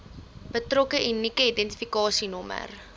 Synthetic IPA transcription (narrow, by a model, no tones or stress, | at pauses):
b̥ətrɔkəʔinikəidɛnti̥fikɑːsinɔmə̰r